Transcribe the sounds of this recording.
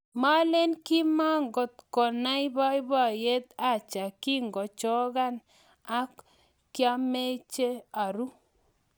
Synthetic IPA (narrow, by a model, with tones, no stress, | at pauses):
ma˦le˦nki˦ma˦ŋɡɔ˨t̪̚kɔ˨na˦jba˦i˦ba˦˨je˦t̪a˦˨t͡ʃa˨ki˦ŋɡɔ˨t͡ʃɔ˦ɣa˦n | a˦kː | ja˦me˦t͡ʃe˦a˨ɾu˦